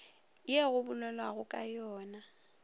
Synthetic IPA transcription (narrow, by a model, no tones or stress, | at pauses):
ɪjeɣʊbʊlɛlwaɣʊkʼajɔːna